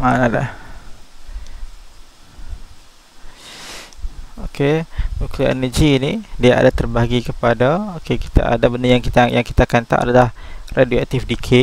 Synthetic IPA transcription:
anada̰h | okʰeukuɛ̰nəd͡ʒiːnidiaʔa̰dat̪ərbaɡikəpadaokeki̥t̪a̰a̰dabəndəjaŋkit̪ajaŋki̥t̪akant̪a̰ʔa̰dalahrʔadioak̚t̪ɪfdikʰɪ

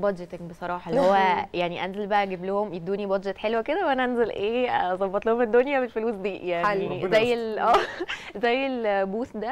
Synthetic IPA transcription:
bɑd̪d͡ʒet̪eŋbesˤɑɾˤɑːħɑlhowːæjaʕniʔænzelbæʔæɡeblohomʔed̪ːuːnibæd̪d͡ʒet̪ħelwæked̪æwʔænæʔænzelʔeːzˤɑbːɑt̪ˤlohomed̪ːonjæbelfoluːsd̪iːjaʕnizæjːelʔæːzæjːelbuːsd̪æ

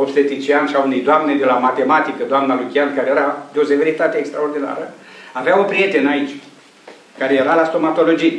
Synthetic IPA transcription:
opst̪et̪it͡ʃianʃaunejd̪oamned̪e̞lamat̪e̞mat̪ikəd̪oamnalukʲiankaɾejeɾad̪eo̞seveɾit̪at̪eːkst̪ɾao̞rd̪ina̰ɾəaveaupɾije̞t̪e̞nait͡ʃʲ | kaɾejeɾalast̪o̞mat̪o̞lo̞d͡ʒi

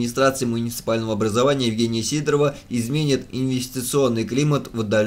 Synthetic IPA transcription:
nʲɪst̪ɾat̪sɨɪmʊnʲɪt̪sɨ̥palʲnəvəɐbɾəzɐvanʲɪjəjɪvɡʲenʲɪjəsʲid̪ɾəvəɪzmʲenʲɪt̪ɪnvʲɪsʲtʲɪt̪sɨo̞nːɨjklʲimət̪vəd̪ːɐlʲ

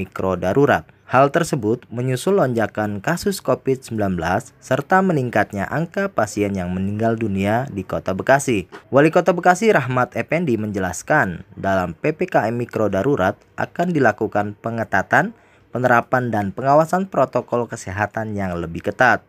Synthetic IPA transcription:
ikɾodaɾuɾa̰t̪̚halt̪ərsəbʊt̪̚məɲusʊlːoɲd͡ʒakankasʊskofɪt̪̚səmbilanbəlasːərt̪aməniŋkat̪̚ɲa̰ʔaŋkapasiɛnjaŋməniŋɡalduniadikot̪abəkasiwalikot̪abəkasiɾaɦmat̪epɛndiməɲd͡ʒəlaskandalampepekaɛmikɾodaɾuɾat̪̚ʔa̰kandilakukanpəŋət̪at̪an | pənəɾapandanpəŋawasanpɾot̪okɔlkəsɛɦat̪anjaŋləbɪhkət̪at̪̚

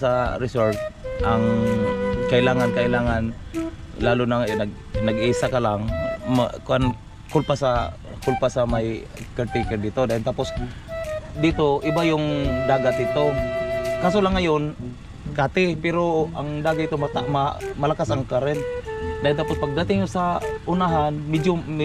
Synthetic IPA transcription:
aɾɪsolt̪̚ʔaŋ | kaʔɪlaːŋankaɪlaːŋan | laːlʊnaŋɛnaɡ | naɡiːsakalaŋa̰kʊʔan | kʊlpasa | kʊlpasamaj | kɛɾt̪ekɛɾd̪ɪt̪od̪ajɪnt̪apos | d̪it̪oʔɪbajʊŋd̪aːɡat̪̚ɪt̪okaːs̬olaŋːajon | kat̪ɪpɛɾoʔaŋd̪aːɡaɪt̪omat̪amamalakasaŋkaɾɛnd̪ahɪnt̪apospaɡ̚d̪at̪ɪŋʊsaʔʊnaɦanmɛd͡ʒo

